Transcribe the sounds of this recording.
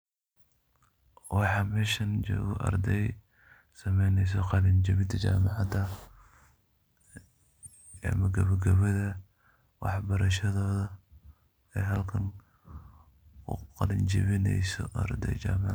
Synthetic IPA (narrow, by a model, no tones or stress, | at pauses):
wɑħɑːmɛːʃɐnt͡ʃɔ̰ːɣɔʔɐ̰ɾd̪ɛj | sɐmɛjnɛjs̬ɔqɑlɪnd͡ʒɐβɪd̪ɐt͡ʃa̰ːmɑʕɑd̪ɐ | ɐ̰mɐɡɐβɐɡɐβɐðɐ | wɑ̰ħbɐɾɐʃɐðɔːðɐ | ɛːɦɐlkʰɐn | ʊqɑlɪnt͡ʃɐβɪnɛ̰jsɔ̰ʔɐ̰rd̪ɛ̰jt͡ʃaːmɑʕ